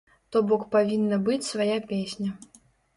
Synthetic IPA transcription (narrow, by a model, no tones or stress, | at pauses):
t̪ɔbɔkpavʲinːɐbɨt͡sʲsvajapʲesʲnʲɐ